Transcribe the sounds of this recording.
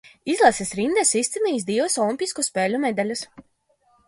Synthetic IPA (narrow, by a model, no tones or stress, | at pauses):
izlˠasisʲɾind̪ɛsist̪iniːs̬d̪ivɐsɔlˠimʲpʲiskuspeːlʲumʲɛd̪alʲus